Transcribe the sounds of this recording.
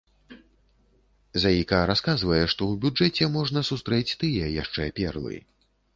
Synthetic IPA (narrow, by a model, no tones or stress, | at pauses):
zajikaɾaskazvɐjɛʂt̪ɔwbʲud͡ʐɛt͡sʲɛmɔʐnɐsust̪ɾɛt͡sʲt̪ɨjɛjaʂt͡ʂɛpʲɛrlˠɨ̰